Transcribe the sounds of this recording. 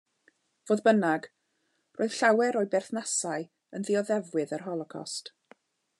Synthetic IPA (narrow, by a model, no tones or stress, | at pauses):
v̥oːðbənaɡ | rʔoːɨð̥ɬawɛɾoːɨbɛrθnasaɨ | ənðɪɔðɛvwɪðərɦɔlˠɔkʰɔ̰st